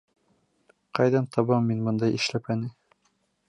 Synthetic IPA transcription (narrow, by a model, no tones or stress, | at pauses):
qɑjðɑnt̪ʰɑβɑmːinbɤnd̪ɑjʔɘ̆ʃlæpænɘ